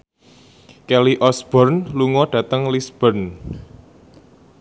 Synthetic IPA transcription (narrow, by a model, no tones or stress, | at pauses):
kɛliʔɔsb̥ɔrnluŋɔɖ̥ä̤t̪əŋlisb̥ərn